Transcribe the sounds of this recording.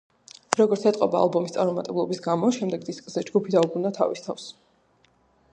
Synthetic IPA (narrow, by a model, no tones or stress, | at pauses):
ɾɔɡɔɾt̪sʰɛt̪ʼqʼɔba̰ːlˠbɔmist̪sʼaɾmɔmat̪ʼɛblˠɔbisɡamɔʃɛmd̪ɛɡd̪iskʼzɛd͡ʒɡupʰid̪aubɾund̪at̪ʰa̰vist̪ʰafs